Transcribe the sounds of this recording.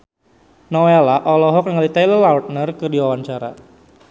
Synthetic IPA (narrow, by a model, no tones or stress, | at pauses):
nɔelaʔɔlɔɦɔk̚nəŋalit̪ajlərlaut̪̚nərkɨrdiwawaɲt͡ʃaɾa̰